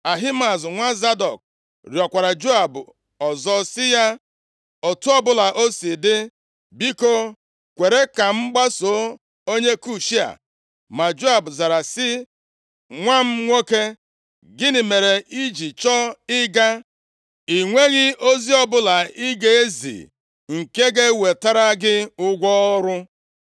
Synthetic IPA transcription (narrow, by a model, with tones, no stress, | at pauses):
a˨ɦi˦ma˨zŋʷa˦za˦dɔ˨k̚ | ɾjɔ˨kʷa˨ɾa˨d͡ʒo˦a˨bʊ˨ | ɔ˨zɔ˦sɪ˦ja˦ | o˨tu˦ɔ˦bʊ˦la˨ʔo˦si˨dɪ˦ | bi˦ko˦ | kʷe˨ɾe˦ka˨ŋ͡m̩˦ɡ͡ba˦so˨˦ | o˦ɲe˦ku˦ʃi˦a̰˨ | ma˨d͡ʒo˦a˨bʊ˨za˨ɾa˨sɪ˦ | ŋʷa˦m̩˦ŋʷo˦ke˦ | ɡɪ˦nɪ˨me˨ɾe˨ʔi˦d͡ʒi˨t͡ʃɔ˦ɪ˦ɡa˦ | i˨ŋʷe˦ɣɪ˦o˦zi˦ɔ˦bʊ˦la˨i˦ɡe˨e˦zḭ˨ | ŋ̩˨ke˦ɡe˦we˨ta˦ɾa˦ɡɪ˦ʊ˦ɡʷɔ˦ɾʊ˦